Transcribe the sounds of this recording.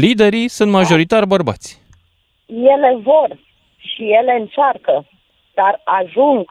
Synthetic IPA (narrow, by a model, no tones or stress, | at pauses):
lid̪e̞ɾisunt̪maʒo̞ɾit̪arʲbərba̰t̪sʲ | je̞le̞vo̞r | ʃije̞le̞ɨnt͡ʃarkə | d̪̥araʒuŋɡ